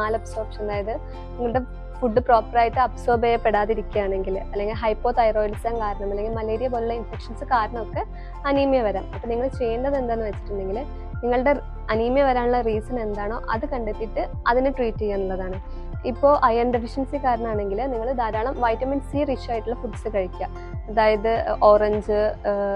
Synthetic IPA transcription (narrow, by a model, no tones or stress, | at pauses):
aːlɐpsoːbʂeɳɖaːjɐðɨ | niŋːɐɭɽe̞ | fuɖːɨpro̞ːpːraːjtːɨɐpso̞ːbejɐpːeɽaːðiɾikʲːujaːɳe̞ŋɡilɐlːeŋɡilɦɐjpːo̞ːʈːɐjroːjɐlisaːnkaːɾɐɳɐmɐlːe̞ŋɡilmɐleːɾijɐp̬oːluɭːɐinfekʂɐnsɨkaːɾɐɳɐmokːe | ɐnimɐjɐʋɐɾaːmɐpːɐniŋːɐɭt͡ɕe̞jːɐɳɖɐðe̞nd̪aːnːɨʋɐt͡ɕːi̥ʈːuɳɖe̞ŋɡil | niŋːɐɭɨɽe | ɐnimɐjɐʋɐɾaːɳuɭːɐriːsɐne̞nd̪aːɳo̞ːʔɐ̰ðɨkɐɳɖet̪ːiʈːɨ | ɐðinɨʈriːtːijenːuɭːɐðaːɳɨ | ipːo̞ːʔɐjɐnɖefiʂɐnsikaːɾɐɳɐmaːɳe̞ŋɡilniŋːɐɭd̪aːɾaːɭɐmʋɐjʈːɐminsiːriʂaːjiʈːuɭːɐfuʈːsɨkɐɻikʲːa | eðaːjɐðɨo̞ːreɲd͡ʑɨ